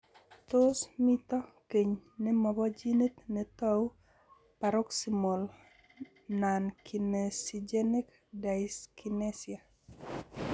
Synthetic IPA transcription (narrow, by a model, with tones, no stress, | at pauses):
t̪o˦smi˦t̪ɔ˦ke˨ɲnɪ˦mɔ˨bɔ˦d͡ʒi˦ni˦t̪nɛ˨t̪ɔ˦w | pa˨ɾo˦ksi˨mo˨l | na˨nki˨nesid͡ʒe˦ni˦k | da˨ski˨ne˦sia˨